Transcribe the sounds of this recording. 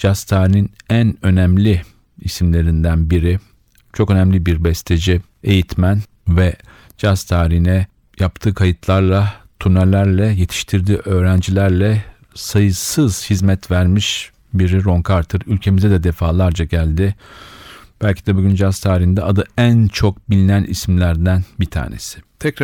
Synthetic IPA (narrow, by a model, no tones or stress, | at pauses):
d͡ʒast̪ʰaːɾininænø̞næmlʲɪ | isimlʲe̞ɾind̪ænbiɾɪ | t͡ʃʰo̞kø̞næmlʲibiɾbɛst̪ʰe̞d͡ʒi | e̞jit̪mæn | vɛ | d͡ʒast̪ʰaːɾihinɛ | jap̚t̪ʰɯːkʰajɯt̪ʰlˠaɾlˠat̪ʰunɛlʲæɾlʲɛje̞t̪ʰi̥ʃt̪ʰiɾd̪iːʔø̞ːɾænd͡ʒilʲæɾlʲɛ | sajɯsɯz̥hizmɛt̪væɾmiʃ | biɾiɾo̞ŋkʰaɾt̪ʰɯɾylʲcʰe̞mizɛd̪ɛd̪efaːlˠaɾd͡ʒaɟælʲd̪ɪ | b̥ælʲcʰid̪ɛbuɟʲynd͡ʒast̪ʰaːɾihind̪ɛad̪ɯænt͡ʃʰo̞k̚bilʲinænʔḭsimlʲæɾd̪ænbit̪ʰa̰ːnḛsɪ̥t̪ʰɛkɾ